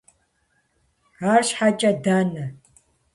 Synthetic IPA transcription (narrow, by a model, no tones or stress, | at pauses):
aːrɕħat͡ʃʼɐdanɐ